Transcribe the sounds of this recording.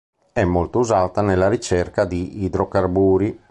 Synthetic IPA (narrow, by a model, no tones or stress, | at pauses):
ɛmːolt̪ouzaːt̪anelːaɾit͡ʃɛrkad̪iid̪ɾokarbuːɾi